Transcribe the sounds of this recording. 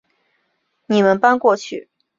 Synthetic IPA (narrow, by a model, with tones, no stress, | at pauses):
ni˨˩mə˧˦npa˥nkwɔ˥˧t͡ɕʰy˥˩